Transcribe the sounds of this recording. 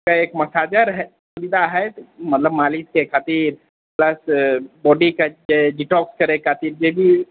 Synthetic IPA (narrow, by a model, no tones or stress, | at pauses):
kaekməsaːd͡ʒəɾɦɛsubid̪aɦɛmət̪ləbmaliskekʰat̪iːɾ | pləsbɔːɖiked͡ʒeɖiʈɔːkskəɾekʰaːt̪iːɾd͡ʒebʱi